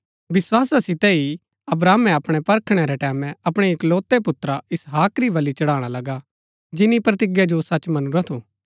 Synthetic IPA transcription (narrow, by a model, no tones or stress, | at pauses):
ʋɪswaːsasɪt̪ɛi | ɐbɾaːmɛ̃ɐpɽ̃epɐɾkʰɽ̃ɛɾɛʈɛːmɛ̃ɐpɽ̃eekloːt̪ːepʊt̪ːɾaɪsɦaːkɾiʋɐlit͡ʃɐɽaːɽ̃alɐɡa | d͡ʒɪnipɾɐt̪ɪɡjad͡ʒosɐt͡ʃmɐnuɾat̪ʰoː